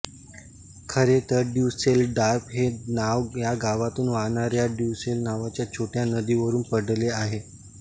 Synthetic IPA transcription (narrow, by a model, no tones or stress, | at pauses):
kʰəɾet̪əɾɖjuʋselɖaɾpɦenaʋjaɡaʋat̪uːnʋanaɾjaɖjuselnaʋat͡ɕjat͡ɕʰoʈjanəd̪iːʋəɾuːnpəɽleaɦe